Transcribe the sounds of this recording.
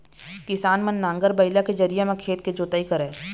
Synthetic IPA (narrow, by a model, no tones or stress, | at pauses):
kɪsaːnmənːãːŋɡəɾbɐɪlaked͡ʒɐɾijemẽkʰeːt̪̚ked͡ʒoːt̪aikəɾẽː